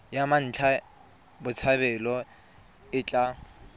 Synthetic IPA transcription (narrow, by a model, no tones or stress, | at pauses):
jaman̩ːt͡ɬʰa | bʊt͡sʰabɛlɔ | ɪt͡ɬʼa